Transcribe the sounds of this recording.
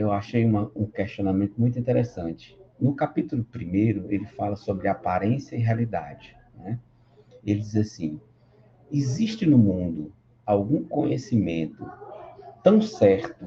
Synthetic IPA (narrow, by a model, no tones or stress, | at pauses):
ewaʃejũmɐũkɛʃt͡ʃiõnamẽnt̪ʊmũj̃t̪uĩnt̪ɛɾesɐ̃t͡ʃɪ̥nʊkapit̪ulʊpɾimejɾʊelɪfalɐsobɾɪapaɾẽsjɐiɦealid̪a̰d͡ʒɪ | nɛ | elɪd͡ʒizasĩ | iziʃt͡ʃɪnʊmũnd̪ʊ | awɡũkõɲesimẽnt̪ʊt̪ɐ̃w̃sɛɾt̪ʊ